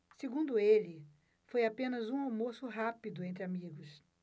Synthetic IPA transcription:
seɡũnd̪ʊelɪ | fojapẽnɐzũawmosʊɦapid̪ʊẽnt̪ɾɪamiɡʊs

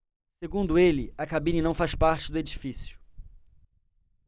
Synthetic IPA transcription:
seɡũnd̪ʊelɪɐkabĩnɐnɐ̃w̃faspaɾt͡ʃɪd̪ʊed͡ʒifisjʊ̥

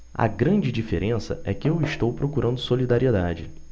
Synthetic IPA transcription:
ɐ̰ɡɾɐ̃d͡ʒɪd͡ʒifḛɾʔẽsɐ̰ʔɛkɪewɪʃt̪owpɾokuɾɐ̃nd̪ʊsolid̪aɾied̪ad͡ʒɪ

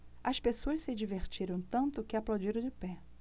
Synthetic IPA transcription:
ɐspesoɐssɪd͡ʒiveɾt͡ʃiɾɐ̃w̃t̪ɐ̃nt̪ʊkɪaplawd͡ʒiɾɐ̃d͡ʒɪpɛ

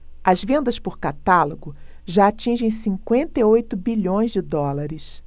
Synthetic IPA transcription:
ɐzvẽnd̪ɐspʊɾkat̪alʊɡʊ | ʒaːt͡ʃĩʒẽj̃sĩŋkwẽnt̪eiojt̪ʊbiʎõj̃zd͡ʒɪd̪ɔlaɾɪs

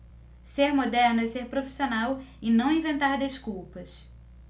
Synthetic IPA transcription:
seɾmod̪ɛɾnʊɛseɾpɾofi̥sionawɪnɐ̃w̃ĩvẽnt̪aɾd̪eʃkuwpɐs

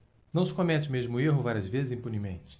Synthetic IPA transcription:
nɐ̃w̃sɪ̥kõmɛt͡ʃɪmeʒmʊeɦʊvaɾiɐzvezɪzĩpunimḛ̃nt͡ʃɪ̥

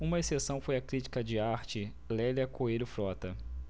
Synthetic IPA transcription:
ũmɐesesɐ̃w̃fojɐkɾit͡ʃi̥kɐd͡ʒɪaɾt͡ʃɪ | lɛliɐkoejɾʊfɾɔt̪ɐ

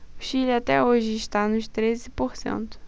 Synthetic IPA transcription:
ʊʃilat̪ɛoʒɪiʃt̪anʊʃt̪ɾezɪpoɾsḛ̃nt̪ʊ̥

